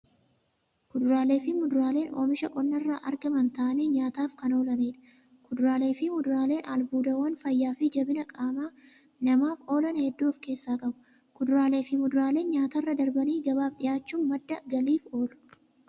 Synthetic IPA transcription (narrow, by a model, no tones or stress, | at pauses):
kʊd̪ʊɾaːle̞ːfɪmʊd̪ʊɾaːle̞ːno̰ːmɪʃɐʔʼɔnːɐrːa̰ːʔɐɾɡɐmɐnt̪ɐʔɐneːɲaːt̪aːfkɐno̞ːlɐneːᶑ̪ɐ̥ | kʊd̪ɾaːle̞ːfɪmʊd̪ɾaːle̞ːnʔaːlbuːd̪ɐwɐnfɐjːaːfɪd͡ʒɐbɪnɐkʼaːmaː | nɐmaːfo̞ːlɐnɐhɛd̪ːuːfke̞ːsːaːkʼɐbʊ̥ | kʊd̪ʊɾaːle̞ːfɪmʊd̪ʊɾaːle̞ːnɲaːt̪ɐrːɐd̪ɐɾbɐniːɡɐbaːfd̪ɪjaːt͡ʃːuːnmɐd̪ːɐɡɐliːfo̞ːlʊ̥